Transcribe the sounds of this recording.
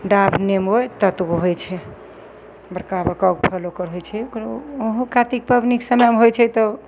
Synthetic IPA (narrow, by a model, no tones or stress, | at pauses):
ɖabʱnemojt̪ət̪ɡoɦojt͡ʃʰɛ | bəɾkabəɾkawk̚pʰəlokəɾɦojt͡ʃʰɛkoɦũkat̪ik̚pəbniksəmamɦojt͡ʃʰɛt̪ɔ